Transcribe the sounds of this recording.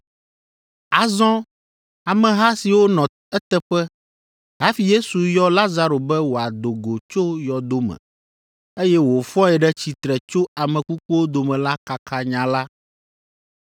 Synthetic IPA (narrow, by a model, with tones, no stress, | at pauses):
a˨zɔ̃˦ | a˨mɛ̃˨ɦa˦si˨wo˦nɔ̃˨ | ɛ˦t̪ɛ˦ɸɛ˦ | ɦa˦fi˨je˦su˨jɔ˦la˦za˦ɾo˨bɛ˦wo˨a˨d̪o˨ɡo˨t͡ʃo˦jɔ˨d̪o˦mɛ̰̃˨ | e˦jɛ˦wo˨fɔ̃˦ɛ˨ɖɛ˦t͡ɕi˨t̪ɾɛ˨t͡ʃo˦a˨mɛ̃˨ku˦ku˦wo˦d̪o˨mɛ̃˨la˦ka˨kʰa˦ɲã˨la˦